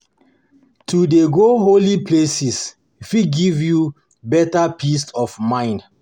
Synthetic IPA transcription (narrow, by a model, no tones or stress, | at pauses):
tʰudeɡoɦolipʰlesis | fiɡivju | bɛtapʰisɔfmãɪ̃nd